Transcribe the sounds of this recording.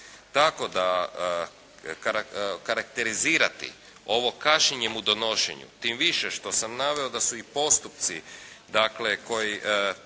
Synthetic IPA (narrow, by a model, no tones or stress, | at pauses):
t̪ako̞d̪a | kaɾakaɾak̚t̪e̞ɾiziːɾat̪ḭ | o̞ʋo̞kaʃɲeɲemud̪o̞no̞ʃḛɲṵt̪imʋiʃeʃt̪osamnaʋe̞od̪asuipo̞st̪up̚t̪sid̪akleko̞jiʔ